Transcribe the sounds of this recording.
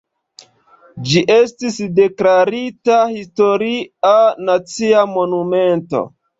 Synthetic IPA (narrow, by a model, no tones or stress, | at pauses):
d͡ʒiʔe̞stisde̞klaɾitahisto̞ɾianat͡siamo̞nume̞nto̞̰